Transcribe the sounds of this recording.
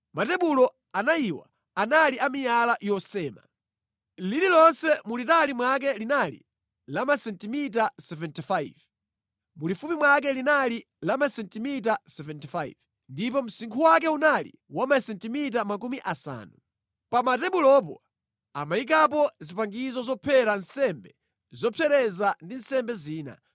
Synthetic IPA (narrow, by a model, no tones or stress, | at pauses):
matɛɓulɔ | anaiwa̰ | analiʔamijalajɔsɛːma̰ | lililɔnsɛmulitalimwak̬ɛlinalḭ | lamasɛntimitasɛvɛntifaiv | mulifumimwak̬ɛlinali | lamasɛntimit̬asɛvɛntifaḭv | ndipɔm̩siŋkʰuwak̬ɛunalḭwamasɛntimitamak̬umiʔasa̰ːnu | pamatɛɓulɔpɔ̰ | a̰maik̬ap̬ɔzipaŋɡizɔzɔpʰɛɾansɛmbɛ | zɔpʰɛɾɛzandin̩sɛmbɛziːna̰